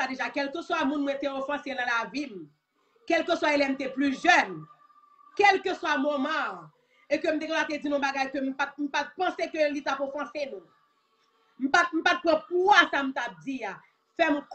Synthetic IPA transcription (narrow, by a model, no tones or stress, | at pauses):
ad̪eʒakɛlkøswamũnmwɛ̃t̪eofɑ̃senɐ̃lavim̩ | kɛlkøswaelɛm̩t̪eplyʒœn | kɛlkøswamomã | ekøm̩t̪ekãat̪ed͡zinɔ̃baɡajkøm̩pat̪̚m̩pat̪̚pɑ̃sekølit̪apofɑ̃senũ | m̩pat̪̚m̩pat̪̚pãpwasam̩t̪ap̚d͡zia | fɛmũk